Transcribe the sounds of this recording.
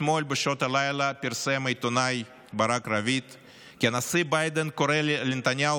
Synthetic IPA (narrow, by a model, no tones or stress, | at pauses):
molʲbeʃot̪alajlɐpʲiɾsemajt̪onaj | baɾakɾavit̪ | kianasibajd̪enkoɾelent̪anʲja